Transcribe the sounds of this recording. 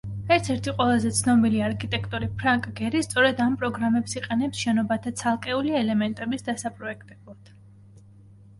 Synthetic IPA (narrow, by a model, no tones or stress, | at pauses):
ɛɾt̪ʰɛɾt̪ʰiqʼwɛlˠazɛt̪sʰnɔbiliaɾkʰit̪ʼɛkʰt̪ʼuɾipʰɾaŋkʼɡɛɾist̪sʼɔɾɛd̪ampʼɾɔɡɾamɛpsiqʼɛnɛpsʃɛnɔbat̪ʰat̪sʰalˠkʼɛuliɛlɛmɛnt̪ʼɛbisd̪asapʼɾɔɛkʰt̪ʼɛblˠad̪̥